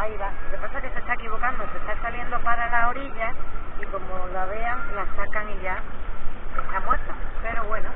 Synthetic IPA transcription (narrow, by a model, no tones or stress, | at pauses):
ajβalepasakest̪est̪aekiβ̞o̞kand̪osest̪asaβje̞nd̪opaðɾelaoɾiʎaiko̞molaβ̞eaŋlasakaŋiʎa | unamweɾt̪apeɾoβweno